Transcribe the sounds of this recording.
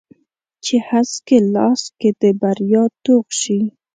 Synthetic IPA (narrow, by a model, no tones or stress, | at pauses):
t͡ʃehaskelɑ̰sked̪̥əbaɾjɑt̪oɣʃi